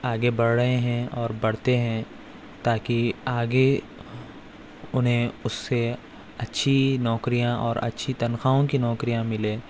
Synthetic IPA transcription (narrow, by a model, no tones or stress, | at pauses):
aːɡebɐɽːɐɦẽɦɛ̃ɔːɾbɐɽt̪eɦɛ̃ | t̪aːkiaːɡe | ʊnɦẽʊsːe | ɐtːʃʰinɔːkɾijãʔɔːɾɐ̰tːʃʰit̪ɐnxaːõkinɔːkɾijãmɪleː